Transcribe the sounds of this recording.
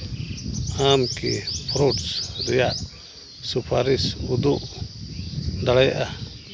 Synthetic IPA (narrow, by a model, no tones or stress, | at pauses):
amkɛ̰pʰɾoʈsɾɛjaʔ | supʰaɾisud̪uʔ | d̪aɽajaʔa